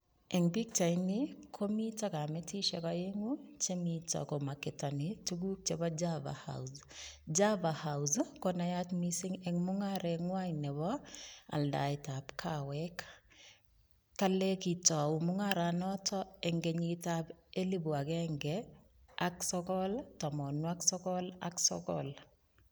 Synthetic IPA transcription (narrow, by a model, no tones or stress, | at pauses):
ɛŋbik̚t͡ʃaɪnɪkʰomitɔkamɛtiʃɛkɔjeŋut͡ʃemitɔ̰kɔmakɪtɔnɪtuɡuk̚t͡ʃɛbad͡ʒava̰ha̰ws | d͡ʒavahawzkɔnajatmisɪŋɛŋmʊŋaɾɛŋwajnɛbɔa̰lda̰ɪtabkʰawɛk | kːalekitɔwumuŋaɾanɔtɔɛŋɡeɲitabelibuaɡɛŋɡɛ | aksɔkɔltɔmɔnwaksɔkɔla̰ksɔ̰kɔ̰l